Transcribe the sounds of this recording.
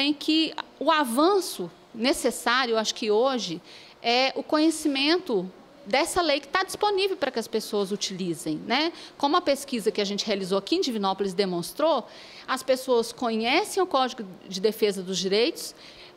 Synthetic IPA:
ẽj̃kʰɪʊavɐ̃sʊ | nesesaɾjʊeaʃʊ̥kɪoʒɪ | ɛʊkõɲesimẽnt̪ʊ | d̪ɛsɐlejkɪ̥t̪ad͡ʒisponivewpɾɐkɪɐspesoɐzut͡ʃilizẽj̃nɛkõmʊɐpeskizɐkɪaʒẽnt͡ʃɪ̥healizoɐkiẽd͡ʒivĩnɔpʊlɪz̬d̪emõst̪ɾo | ɐspesoɐskõɲɛsẽj̃ʊkɔd͡ʒiɡʊd͡ʒɪd̪efezɐd̪ʊzd͡ʒiɾejt̪ʊ̥s

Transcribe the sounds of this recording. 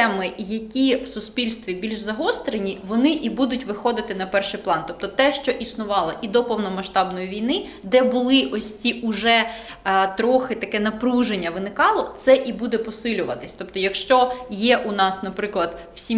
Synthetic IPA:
ɛmɪjɐkʲiwsʊspʲilʲst̪ʋʲibʲilʲʒzɐɦɔst̪ɾenʲiʋɔnɪʔibud̪ʊtʲʋɪxɔd̪ɪt̪ɪnɐpɛrʃɪjplˠɑnt̪ɔp̚t̪ɔt̪ɛʃt͡ʃɔʔisnʊʋɑlˠɐʔid̪ɔpɔwnɔmɐʃt̪ɑbnɔjiʋʲijnɪ | d̪ɛbʊlˠɪʔɔsʲt͡sʲiʔʊʒɛ | t̪ɾɔxɪt̪ɐkɛnɐpɾuʒenʲːɐʋɪnɪkɑlˠɔt̪sɛʔibud̪ɛpɔsɪlʲʊʋɐt̪ɪ̥sʲt̪ɔp̚t̪ɔjɐkʃt͡ʃɔjɛʔunɑsnɐpɾɪklˠɐd̪ | wsʲi

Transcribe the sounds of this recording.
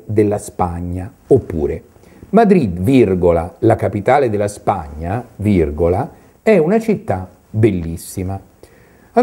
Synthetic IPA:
d̪elːaspaɲːa | opːṵːɾe | mad̪ɾid̪virɡolalakapit̪aːled̪elːaspaɲːavirɡola | ɛunat͡ʃit̪ːa | belːisːima | a

